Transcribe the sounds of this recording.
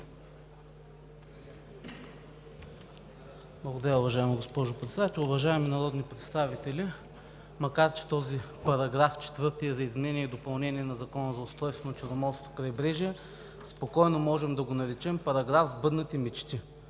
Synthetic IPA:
blˠɐɡod̪ɐɾʲaʊvɐʒaɛmiɡospɔʒʊpɾɛt̪sɛd̪at̪ɛlˠʊvɐʒaɛminɐɾɔd̪nipɾɛt̪st̪avit̪ɛlʲi | mɐkaɾt͡ʃɛ̥t̪ɔzipɐɾɐɡɾaft͡ʃɛ̥t̪vɤɾt̪iəzɐizmɛnɛnʲiɛd̪opɐlˠnɛniɛnɐzɐkɔnəzɐʊst̪ɾɔjst̪vonɐt͡ʃɛɾnomɔɾst̪o̥kɾɐjbɾɛʒiɛ | spokɔjnomɔʒɛmd̪ɐɡonɐɾit͡ʃɛmpɐɾɐɡɾafzbɤd̪nət̪imit͡ʃt̪i

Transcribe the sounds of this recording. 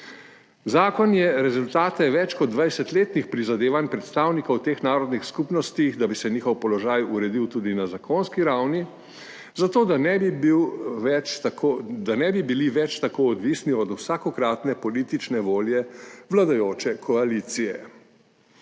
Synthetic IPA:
zaːkɔnjɛɾɛzult̪aːt̪ɛʋɛt͡ʃkɔd̪ːʋajsɛt̪leːt̪nixpɾizad̪eːʋanpɾɛt̪st̪aːwnikɐwt̪eːxnaːɾɔd̪nixskupnɔst̪ixd̪abisɛniːxɔwpɔlɔʒaːjuɾɛd̪iwt̪uːd̪inazakoːnskiɾawni | zat̪oːd̪anɛbi | ɛt͡ʃod̪anɛbibiliʋɛt͡ʃt̪akoɔd̪ʋiːsniɔd̪usaːkɔkɾaːt̪nɛpɔliːt̪it͡ʃnɛʋoːljɛʋlad̪ajoːt͡ʃɛkʰɔaliːt̪sijɛ

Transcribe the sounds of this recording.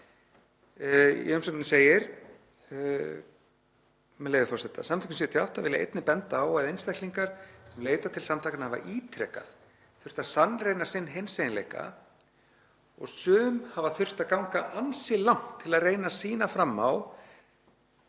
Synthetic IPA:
ɛœʏmsʏseːjɪɾ̥ | mɛleːjðʏfɔwsɛht̪ːa̰samt̪ʰajcʏmsɛt̪ʰjaht̪avɪlja̰ḛjt̪nɪpɛnt̪aːwaðejnst̪ɛhk̪liŋkaɾ̥sɛmleːjt̪at̪ʰɪlsamt̪ʰaːkanahava̰ʔiːt̪ʰɾɛ̰ka̰ð | θʏr̥t̪aðsanːrejnasɪnːɦejnsejɪnlḛjka̰ | ɔ̰ɣsʏːmhavaθʏr̥t̪aðkawŋkaʔansɪlawn̥t̪ʰːɪlaðrejnasiːnafɾamːaw

